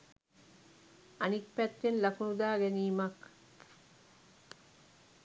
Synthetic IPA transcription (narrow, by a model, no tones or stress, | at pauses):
ɐnik̚pɛt̪ːenlɐkunud̪aːɡeniːmak